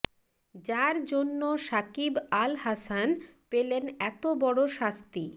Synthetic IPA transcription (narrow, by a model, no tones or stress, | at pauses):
d͡ʑaɾd͡ʑonːoʃakibalhasanpelenɛt̪obɔɽoʃast̪i